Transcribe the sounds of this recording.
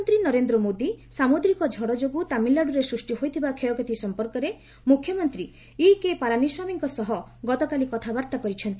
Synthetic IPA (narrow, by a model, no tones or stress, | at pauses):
nt̪ɾinɔɾend̪ɾɔmod̪isamud̪ɾikɔd͡ʒʱɔɽɔd͡ʒoɡut̪amilːaɽuɾesɾusʈiɦojt̪ʰibakʰejɔkɔt̪isɔmpɔɾkɔɾe | mukʰːjɔmɔnt̪ɾi | ikepaɾaniswamiŋkɔsɔɦɔɡɔt̪ɔkalikɔt̪ʰabaɾt̪akɔɾit͡ʃʰɔnt̪i